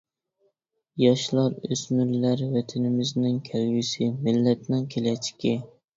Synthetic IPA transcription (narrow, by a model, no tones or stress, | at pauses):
jɑʃlˠɑɾøsmyɾlæɾwɛt̪ʰɪnɪmɪznɪŋkʲʰælwɪsɪmɪlːɛt̪nɪŋkʲʰelɛt͡ʃʰɪ̥kʲɪ